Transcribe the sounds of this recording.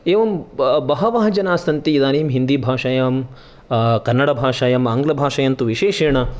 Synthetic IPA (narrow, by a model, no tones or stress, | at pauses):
eːʋɐmbɐɦɐʋaːɦɐd͡ʒɐnaːsɐnt̪iːd̪aːneːmɦind̪iːbʱaːʂɐjaːm | kɐnːɐɽɐbʱaːʂaːjɐmaːŋɡlɐbʱaːʂɐjɐnt̪uʋiʃeːʃeːɳɐ